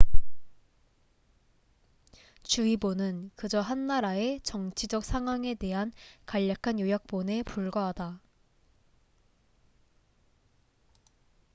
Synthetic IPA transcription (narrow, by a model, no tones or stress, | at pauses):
t͡ɕuibonɯnkɯd͡ʑʌɦanːaɾae̞t͡ɕʌŋt͡ɕʰid͡ʑʌk̚sʰaŋwaŋe̞de̞ɦankaʎːakʰanjojak̚p͈one̞puɭɡʌɦada